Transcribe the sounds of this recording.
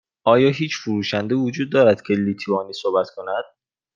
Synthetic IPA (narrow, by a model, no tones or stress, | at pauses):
ʔɒːjɒːɦiːt͡ʃʰfuɾuːʃænd̪evod͡ʒuːd̪̚ːɒːɾæd̪̥cʰeliːt̪ʰuɒːniːsobæt̪kʰo̞næd̪̥̚